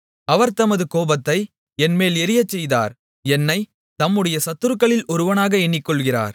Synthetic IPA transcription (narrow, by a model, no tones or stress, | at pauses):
ɐʋɐɾt̪ɐmɐðɯkoːbɐt̪ːɐɪ | ɛnmeːlɛɾɪjɐt͡ʃːɛjða̰ːɾ | ɛnːɐɪ | t̪ɐmːɯɽɐjɐsɐt̪ːɯɾɯkːɐɭɪlɔɾɯʋɐnaːɣɐɛɳːɪkːɔɭɣɪra̰ːɾ